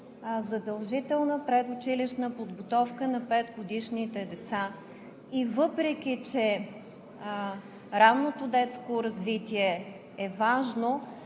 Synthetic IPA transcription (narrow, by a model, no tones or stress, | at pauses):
zɐd̪ɐlˠʒit̪ɛlˠnəpɾɛd̪ʊt͡ʃiliʃnəpod̪ɡot̪ɔfkənɐpɛd̪ɡod̪iʃnit̪ɛd̪ɛt̪sa | ivɤpɾɛk̟ʲit͡ʃɛ | ɾavnot̪od̪ɛt̪skoɾɐzvit̪iɛ | ɛvaʒno